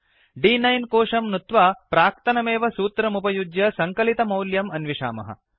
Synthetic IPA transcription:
ɖiːnɐjnkoːʂɐmnut̪ʋaːpɾaːk̚t̪ɐnɐmeːʋɐsuːt̪ɾɐmupɐjud͡ʒjɐsɐŋkɐlit̪ɐmɐwljɐmɐnʋiʂa̰ːmɐ̰ɦɐ̰

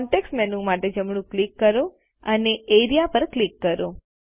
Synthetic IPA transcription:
ɳʈeksʈmɛnũmaʈed͡ʒəmɽ̃ũklikːəɾo | əneeɾijapəɾklikːəɾo

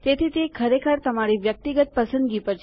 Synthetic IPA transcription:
t̪et̪ʰit̪ekʰəɾekʰəɾt̪əmaɾiʋjək̚t̪iɡət̪̚pəsənd̪ɡipəɾt͡ʃʰ

